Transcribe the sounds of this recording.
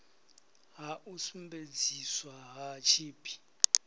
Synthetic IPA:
ɦaʔusumbed͡ziswaɦat͡ʃʰiːpʰʼi̥

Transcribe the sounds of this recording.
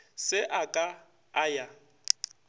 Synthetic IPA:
sɪʔakʼa | aja

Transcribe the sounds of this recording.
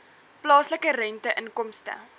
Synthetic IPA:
plɑːsləkəɾɛntəʔənkɔmstə̰

